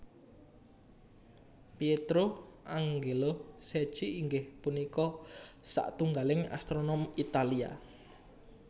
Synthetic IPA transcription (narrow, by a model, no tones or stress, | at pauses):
pjet̪ɾoʔaŋɡelose̥ʒ̥iːŋɡɪhpunikɔsa̰ʔt̪uŋɡalɪŋa̰st̪ɾonɔmit̪alia̰